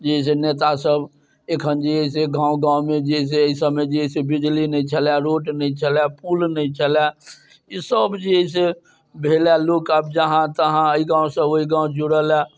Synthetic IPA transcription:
d͡ʒeis̬enet̪asəb | ekʰənd͡ʒiəiseɡãũɡãːwmed͡ʒeis̬eəisəbmed͡ʒiisebid͡ʒlinəĩt͡ʃʰəljaɾoːʈnəĩt͡ʃʰəlapulnəĩt͡ʃʰəla | isəbd͡ʒiəis̬e | bʱelɛlokabd͡ʒəɦãt̪əɦãəiɡãw̃sə̃oiɡãw̃d͡ʒuɽəlɛ

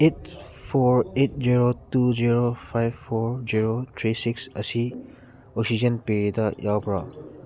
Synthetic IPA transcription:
et̚ | fɔɹet̚ziɹotuziɹofajffɔɹziɹotʰɹisiksasi | ɔksid͡ʒə̃npiɹidaʔjabɹa̰

